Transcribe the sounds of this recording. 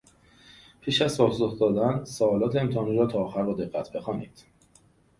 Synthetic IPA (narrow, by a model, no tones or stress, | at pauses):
pʰiːʃæzsɒːzoxd̪ɒːd̪ænsoːlɒːt̪ʰeemt̪ʰehɒːniɾɒːt̪ʰɒːxæɾbɒːd̪e̞ɡːæt̪ʰbe̞xɒːniːd̪̥